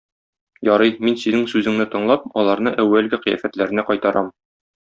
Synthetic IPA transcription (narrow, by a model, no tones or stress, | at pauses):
jɒɾɤjminsinɘŋsʉzɘ̆ŋnɘt̪ɤ̆ɴlˠɑp̚ɒlˠɑɾn̪ɤʔæwːælɡɘqɤ̆jæ̰fæt̪læɾɘ̆næqɒjt̪ɑɾʔɑm